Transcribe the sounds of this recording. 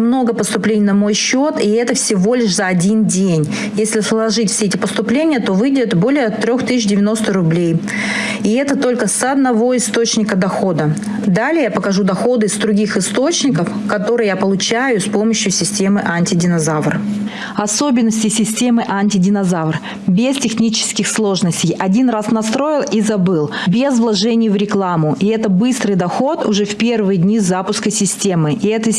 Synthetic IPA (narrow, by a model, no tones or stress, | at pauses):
mno̞ɡəpəst̪ʊplʲenʲiːnɐmo̞jɕːo̞t̪iɛt̪əfsʲɪvo̞lʲɪʂzɐɐdʲindʲenʲ | jesʲlʲɪslˠɐʐɨtʲfsʲeɛtʲɪpəst̪ʊplʲenʲɪjət̪o̞vɨdʲt̪bo̞lʲɪjət̪ɾʲoxt̪ɨsʲɪɕdʲɪvʲɪno̞st̪əɾʊblʲej | ɪɛt̪ət̪o̞lʲkəsɐd̪nɐvo̞ɪst̪o̞t͡ɕnʲɪkəd̪ɐxo̞d̪ə | d̪alʲɪjəjapəkɐʐud̪ɐxo̞d̪ɨɪzd̪ɾʊɡʲixɪst̪o̞t͡ɕnʲɪkəfkɐt̪o̞ɾɨjjapəlˠʊt͡ɕæjʊspo̞məɕjʊsʲɪsʲtʲe̞mɨʔanʲtʲɪdʲɪnɐzavr | ɐso̞bʲɪnːəsʲtʲɪsʲɪsʲtʲe̞mɨʔanʲtʲɪdʲɪnɐzavr | bʲestʲɪxnʲit͡ɕɪ̥skʲɪxslˠo̞ʐnəsʲtʲejɐdʲinrasnɐst̪ɾo̞jɪlˠizɐbɨlˠbʲezvlˠɐʐɛnʲɪjvɾʲɪklˠamʊʔiɛt̪əbɨst̪ɾɨjd̪ɐxo̞t̪ʊʐɛfpʲe̞rvɨjəd̪ʲnʲizapʊskəsʲɪsʲtʲe̞mɨiɛt̪ə